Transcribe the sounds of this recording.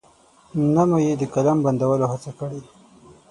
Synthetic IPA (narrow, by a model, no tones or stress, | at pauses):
namojed̪əkalamband̪awəlohat͡sakəɽi